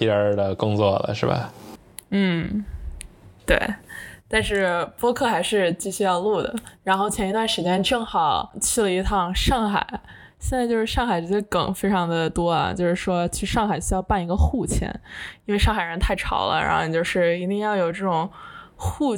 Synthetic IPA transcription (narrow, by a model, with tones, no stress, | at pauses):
ti˧˥ə˧˥d̪ə˧kʊ˥ŋt͡swɔ˥˩lə̰˩ʂɻ̩˥˩ba̰˨˩ | n̩˥˩ | t̪wḛ˥˩ɪt̪a˥˧nʂɻ̩˥˩pwɔ˥kʰɤ˥˩xa˧˥ɪʂɻ̩˥˧t͡ɕi˥˧ɕy˥˧jɑ˥˧ʊlu˥˩d̪ə̰˩ɻa˧˥nxo˥˩ʊt͡ɕʰjɛ˧˥ni˧t̪wa˥˩nʂɻ̩˧˥t͡ɕjɛ˥˧nʈ͡ʂɤ˥˩ŋxɑ˨˩˦ʊt͡ɕʰy˥˩lə˧i˧˥t̪ʰɑ˥˧ŋʂɑ˥˩ŋxa̰˨˩ɪ | ɕjɛ˥˧nt͡sa˥˧ɪt͡ɕjʊʂɻ̩˥˩ʂɑ˥˩ŋxa˨˩ɪʈ͡ʂ̩˧˥t͡ɕʰjɛ˥kə˨˩ŋfe˥ɪʈ͡ʂʰɑ˧˥ŋd̪ə˨t̪wɔ˥ɐ̰˩t͡ɕjo˥˧ʊʂɻ̩˥˩ʂwɔ˥t͡ɕʰy˥˧ʂɑ˥˩ŋxa˨˩ɪɕy˥jɑ˥˧ʊpa˥˩ni˧˥ɡə˧xu˥˩t͡ɕʰjɛ̰˧˥ni˥nwe˥˧ɪʂɑ˥˩ŋxa˨˩ɪɻə˧˥nt̪ʰa˥˩ɪʈ͡ʂʰɑ̰˨˧˩ʊlə̰˦ɻa̰˥nxo˥˧t͡ɕjo˥˧ʊʂɻ̩˥˩i˧˥t̪i˥˧ŋjɑ˥˩ʊjo˨˩ʊʈ͡ʂɤ˥˩ʈ͡ʂʊ˨˩ŋxu˥˩